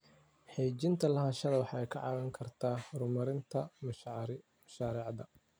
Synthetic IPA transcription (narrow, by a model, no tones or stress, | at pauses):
ħeːt͡ʃɪnt̪ʰɐlɐɦɐʃɐðɐwɑħɑɛjkʰɑ̰ʕɑ̰ːwɐŋkʰɐrt̪ʰaːrʊmɐɾɪnt̪ʰɐ | mɐʃaːɾɛʕd̪ɐ